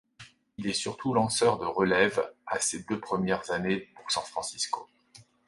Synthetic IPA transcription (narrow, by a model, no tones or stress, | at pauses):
ilɛsyʁt̪ʰulɑ̃sœʁd̪əʁəlɛvased̪øpχəmjɛʁzanepuʁsɑ̃fχɑ̃sisko